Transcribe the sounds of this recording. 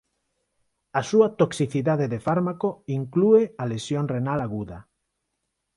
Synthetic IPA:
asuat̪oksiθiðaðeðefaɾmakoiŋkluealesjoŋrenalaɣuða

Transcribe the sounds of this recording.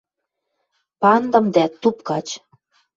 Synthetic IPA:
pɑnd̪ɤ̆md̪æt̪ːupkɑt͡ɕ

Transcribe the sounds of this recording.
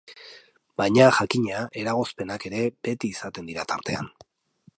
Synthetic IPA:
bajɲaʝakiɲeaʔe̞ɾaɣ̞o̞spe̞nake̞ɾe̞be̞t̪iːsat̪e̞nd̪iɾat̪aɾt̪e̞a̰n

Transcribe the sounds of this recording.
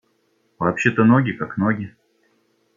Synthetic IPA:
vɐːpɕːet̪ənoɡʲɪkaknoɡʲɪ

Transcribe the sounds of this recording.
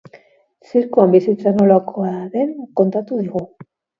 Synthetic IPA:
siɾkuambisit͡sano̞lakʰo̞aðe̞ŋko̞nt̪at̪uðiɣu

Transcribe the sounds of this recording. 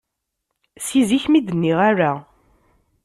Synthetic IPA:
siziçmid̪ənːiʁaɾa

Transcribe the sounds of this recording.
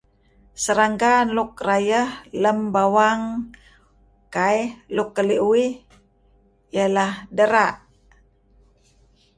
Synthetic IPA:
səɾaŋɡanlukrajəhləmbawaŋ | kajlukːəliʔuwi | jəlahdəɾaʔ

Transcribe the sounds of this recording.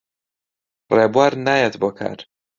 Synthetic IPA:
reːbwaːɾnaːjet̪boːkʰa̰ːɾ

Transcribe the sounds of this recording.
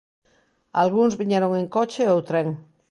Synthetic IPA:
a̰lɣunzβiɲeɾoŋeŋkot͡ʃeowt̪ɾeŋ

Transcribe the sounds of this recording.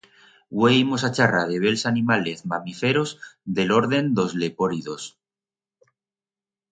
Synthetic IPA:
wejmosat͡ʃarað̞eβ̞e̞lsanimale̞zmamifeɾozd̪e̞lo̞ɾðe̞nd̪o̞zle̞poɾiðo̞s

